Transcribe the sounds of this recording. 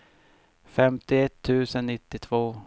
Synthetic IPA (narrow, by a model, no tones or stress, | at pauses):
fɛmt̪ɪɛt̪ʰːʉ̟ːsənːɪt̪ːɪt̪ʰvoː